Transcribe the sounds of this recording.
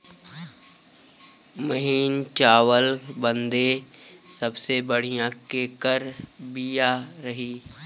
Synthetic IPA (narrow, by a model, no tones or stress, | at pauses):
məɦiːnt͡ʃaːʋəlbə̃nd̪esəbsebəɽ̤ijãkeːkəɾbijaɾɐɦiː